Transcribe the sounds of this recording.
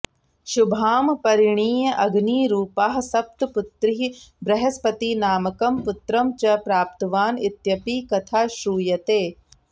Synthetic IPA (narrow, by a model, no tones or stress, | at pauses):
ʃubʱaːmpɐɾiɳiːjɐʔɐɡniːɾuːpaːɦɐsɐp̚t̪put̪ɾiɦibɾɐɦɐspɐt̪inaːmɐkɐmput̪ɾɐmt͡ʃɐpɾaːp̚t̪ɐʋaːnit̪jɐpiːkɐt̪ʰaːʃɾuːjɐt̪eː